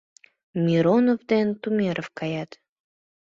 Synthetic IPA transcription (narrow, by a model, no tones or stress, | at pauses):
mʲiɾonovd̪ent̪umʲeɾəfkɑjɑt̪